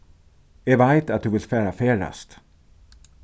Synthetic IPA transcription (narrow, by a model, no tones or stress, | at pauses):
ɛvaɪt̪at̪̚d̪ʉːʋɪlfæːɾafeːɾa̰st̪